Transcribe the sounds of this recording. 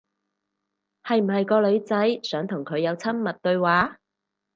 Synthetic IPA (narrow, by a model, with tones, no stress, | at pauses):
hɐ˨jm̩˨˩hɐ˨jkɔː˧lɵ˨˧ɥt͡sɐ˨˥jsœː˨˥ŋt̪ʰʊ˨˩ŋkʰɵ˨˧ɥjɐ˨˧wt͡sʰɐ˥mːɐ˨t̚t̪ɵ˧ɥwaː˨˥